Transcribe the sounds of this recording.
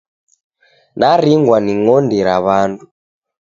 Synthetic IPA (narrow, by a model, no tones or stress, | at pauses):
naɾiŋɡwaniŋɔndiɾaβandu